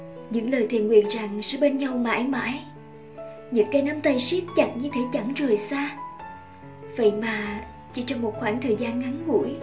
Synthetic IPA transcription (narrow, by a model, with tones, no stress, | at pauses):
ɲɨ̰˧˥ŋləː˨˩jt̪ʰḭ˧˨ənwḭ˧˨ənza˨˩ŋsɛ̰˧˥ɓe˧nɲa˧wma̰ː˧˥jma̰ː˧˥j | ɲɨ̰˧˥ŋkaː˨˦jna˧mt̪ə˧˩jsi˦˥ək̚t͡ɕa˨˧˩ŋɲɨ˧t̪ʰe˨˦t͡ɕa˧˩ŋzo˨˩jsaː˧ | və̰˧˨jmaː˨˩ | t͡ɕi˧˩t͡ɕɔ˧ŋ͡mmo˨˩t̚xwaː˧˩ŋt̪ʰəː˨˩jzaː˧nŋa˨˦ŋɣṵ˧˩əj